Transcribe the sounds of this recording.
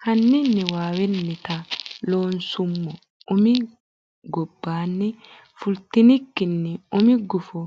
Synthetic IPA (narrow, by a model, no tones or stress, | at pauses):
kanːinːiwaːwɛnːit̪aloːnsumːɔ | umi | ɡɔbːaːnːi | fult̪inikːinːiumiɡufɔ